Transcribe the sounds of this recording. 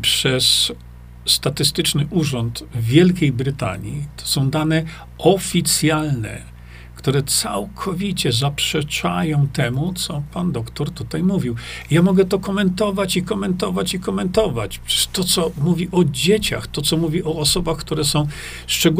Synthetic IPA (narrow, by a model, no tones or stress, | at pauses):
pʂɛsː | t̪at̪ɘst̪ɘt͡ʂnɘʔuʐɔnt̪vʲjɛlkʲejbɾɘt̪a̰ɲit̪ʰɔ̥sɔ̃w̃d̪anɛ | ɔfʲit̪sʲjalnɛ̰ | kt̪uɾɛt̪sawkʰɔvʲit͡ɕɛzapʂɛt͡ʂa̰jɔ̃w̃t̪ɛmut̪sɔpand̪ɔkt̪ɔɾt̪ut̪ajmuvʲiwjamɔɡɛt̪ɔkɔmɛnt̪ɔvat͡ɕikɔmɛnt̪ɔvat͡ɕikɔmɛnt̪ɔvat͡ɕpʂt̪ɔt̪sɔmuvʲiʔɔd͡ʑet͡ɕa̰xt̪ɔt̪sɔmuvʲiʔɔːsɔbaxkt̪uɾɛsɔ̃w̃ | ʂt͡ʂɛɡ